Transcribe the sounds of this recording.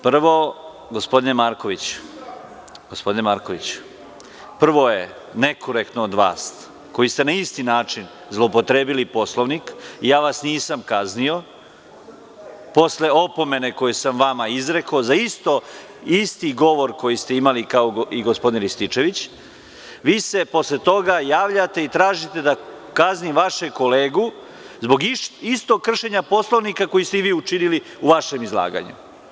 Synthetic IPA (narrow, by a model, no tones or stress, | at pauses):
pr̩ʋo̞ | ɡo̞spo̞d̪inemaɾko̞ʋit͡ɕu̥ | ɡ̥ospo̞d̪inemaɾko̞ʋit͡ɕu̥ | pr̩ʋo̞je̞ | ne̞kʰoɾe̞kt̪noːd̪ʋa̰ːs | ko̞jist̪e̞naist̪inaːt͡ʃin | zlˠopot̪ɾeːbilipo̞slˠoʋnikijaːʋasniːsamkaznio̞ | po̞sle̞o̞po̞me̞ne̞ko̞jesamʋamaizɾe̞kozaist̪o̞ | ist̪iɡo̞ʋo̞ɾko̞jist̪e̞imalikaoiɡo̞spo̞d̪inɾist̪it͡ʃe̞ʋit͡ɕ | ʋiːse̞po̞sle̞t̪o̞ɡajaːʋʎat̪e̞it̪ɾaːʒit̪e̞d̪a | kaznimʋaʃeko̞le̞ːɡu | zbo̞ɡist̪o̞ɡ̚kːr̩ʃe̞ɲapo̞slˠoʋnikako̞jist̪eiʋiːut͡ʃinili | uʋaʃe̞mizla̰ːɡa̰ɲṵ